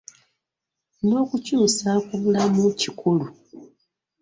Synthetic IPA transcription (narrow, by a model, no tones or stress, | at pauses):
no̞ːkucuːsakuβulamucikʰulu